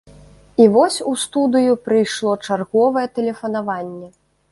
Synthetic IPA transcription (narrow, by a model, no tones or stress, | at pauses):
ivɔsʲust̪ud̪ɨjupɾɨjʂlˠɔt͡ʂarɣɔvɐjɛt̪ɛlʲɛfɐn̪avanʲːɛ